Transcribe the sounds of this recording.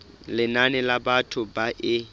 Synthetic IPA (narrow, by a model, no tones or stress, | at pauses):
lɪnanɪlabatʰʊbaʔɪ